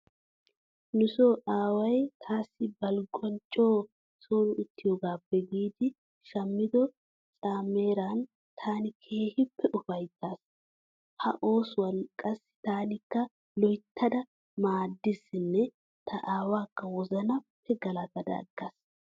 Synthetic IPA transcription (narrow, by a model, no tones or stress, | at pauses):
nʊsoːʔaːwɐjt̪ʰaːsːɪbɐlɡɔnt͡ʃʼːo̞ː | soːnʊʊt̪ʰːɪjɔɡaːbːɛɡiːd̪ɪ | ʃɐmːɪd̪ɔ | t͡sʼaːmːe̞ːɾaːn | t̪ʰaːnɪkʰe̞ːhɪpːɛʔʊfɐjt̪ːaːs | hɐʔo̞ːswɐnkʼɐsːɪ̥t̪aːnɪkːɐ | lɔjt̪ʰːɐd̪ɐ | maːd̪ːɪsɪnːɛ | t̪ʰɐʔaːwaːkːɐwɔzɐnɐpʰːɛɡɐlɐt̪ɐd̪ɐ̰ːɡːas